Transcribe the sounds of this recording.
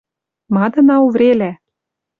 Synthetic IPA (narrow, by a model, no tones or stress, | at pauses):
mɑd̪ɤ̆nɑuvɾelæ